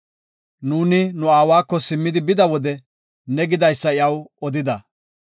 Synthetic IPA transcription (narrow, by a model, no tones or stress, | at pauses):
nuːnɪnʊaːwaːkːɔsɪmːɪd̪ɪbɪd̪ɐwɔd̪ɛ | nɛɡɪd̪ɐjsːɐɪjɐwɔd̪ɪd̪ɐ